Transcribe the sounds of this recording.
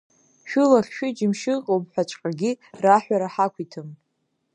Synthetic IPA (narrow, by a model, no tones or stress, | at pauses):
ʃᶣulaχʲʃᶣid͡ʒɪmʃɨqʼowpħʷᶣat͡ʃʷʼqʼaɡʲiraħʷᶣaɾaħakʷʰitʰɨm